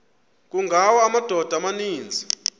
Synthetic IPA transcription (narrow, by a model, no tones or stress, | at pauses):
k̬ʼuŋɡʱawaːmad̥ʱɔd̥ʱamaniːnd͡zʱi